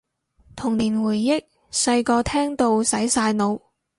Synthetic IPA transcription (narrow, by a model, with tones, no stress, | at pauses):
t̪ʰʊ˨˩ŋliː˨˩nwuː˨˩jːɪ˥k̚ | sɐ˧jkɔː˧t̪ʰɛː˥ŋt̪o˧wsɐ˨˥jsaː˧jno˨˧w